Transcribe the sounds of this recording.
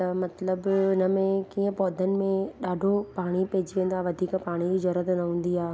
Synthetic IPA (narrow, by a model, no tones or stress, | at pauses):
t̪ɐmɐt̪ləbʊnə̆mẽkiːə̃pɔːd̪ʱənɪ̆mẽɗaːɖʱopaːɽ̃ipeɦd͡ʑiʋẽːn̆d̪oaːʋɐd̪ʱiːkpaːɽ̃izɐɾət̪nɐɦũːn̆d̪iaː